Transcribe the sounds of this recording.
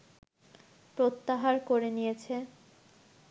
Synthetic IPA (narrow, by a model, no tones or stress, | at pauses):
pɾot̪ːaɦaɾkoɾenijet͡ɕʰe